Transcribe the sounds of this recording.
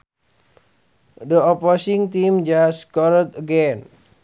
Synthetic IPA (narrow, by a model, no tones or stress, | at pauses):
d̪əɔpɔsiŋt̪imd͡ʒaskɔɾət̪əɡɛn